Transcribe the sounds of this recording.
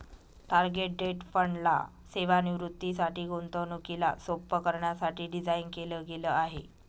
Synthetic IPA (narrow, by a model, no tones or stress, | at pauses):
ʈaɾɡeʈ̚ɖeʈfəɳɖla̰ | seʋaniʋɾut̪ːisaʈiːɡont̪ənukila̰sopːəkəɾɳjasaʈiːɖid͡zainkeləːɡeləaɦe